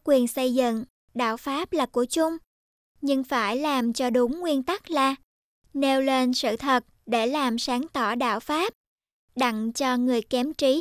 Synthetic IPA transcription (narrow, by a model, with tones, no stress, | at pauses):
kwi˨˩ənsə˧jzɨ̰˧˨ŋ | ɗa̰ː˧˨wfaː˦˥p̚laː˨˩ku˧˩ət͡ɕʊ˧ŋ͡m | ɲɨ˧ŋfaː˧˩jlaː˨˩mt͡ɕɔ˧ɗʊ˨˦ŋ͡mŋwi˧ənt̪a˦˥k̚laː˨˩ | ne˧wle˧nsɨ̰˧˨t̪ʰə˨˩t̚ɗe˧˩laː˨˩msaː˨˦ŋt̪ɔ˧˩ɗa̰ː˧˨wfaː˦˥p̚ | ɗa̰˧˨ŋt͡ɕɔ˧ŋɨ˨˩əjkɛ˨˦mt͡ɕi˨˦